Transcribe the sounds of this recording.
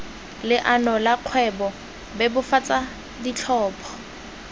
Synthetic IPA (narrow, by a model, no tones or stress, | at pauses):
lɪʔanɔlaq͡χʰwɛbɔ | bɛbʊfat͡sʼa | dit͡ɬʰɔːpʰɔ̥